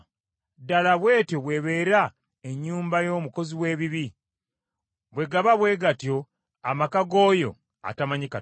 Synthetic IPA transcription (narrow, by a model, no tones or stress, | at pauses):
dalaβwe̞ːtjoβwe̞βe̞ːɾa | eɲːuːmbajo̞ːmuko̞ziwe̞ːβiβi | βwe̞ɡaβaβwe̞ɡatjo̞ | amakaɡoːjo̞̰ | a̰tamaɲika